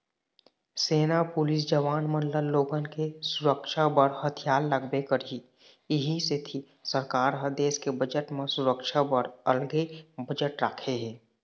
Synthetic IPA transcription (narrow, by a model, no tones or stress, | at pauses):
seːnapʊlɪs̬d͡ʒəʋaːnmənləlːoːɡənkesʊɾəkʃabəɾhət̪ʰijaːlːəɡbekəɾi | ɪɦiset̪ʰi | səɾkaːɾɦəd̪eːskebəd͡ʒəʈmesʊɾəkʃabəɾəlɡebəd͡ʒəʈɾaːkʰeɦɛ̃ː